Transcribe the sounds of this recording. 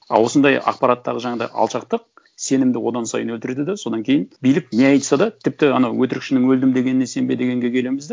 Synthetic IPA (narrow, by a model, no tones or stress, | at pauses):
ɑ̰lwo̞sənd̪ɑjɑ̰qpɑɾɑt̪ːɑʁəʒɑɴɑd̪ɑ̰jɑ̰lˠʃɑqt̪əq̚ | se̞nɪmd̪ɪwo̞d̪ɑnsɑ̰jənwɵlt̪ɪɾed̪ɪd̪eso̞d̪ɑŋkʲʰe̞jɪnbijlɪk̚ne̞ɑjt̪ə̥sɑd̪ɑt̪ʰɪp̚t̪ɪɑnɑwwɵt̪ɪɾɪkʃɪnɪŋwɵld̪ɪmd̪e̞ɡʲenɪnese̞mbed̪e̞ɡʲe̞ŋɡʲe̞kʲʰe̞le̞mɪzd̪e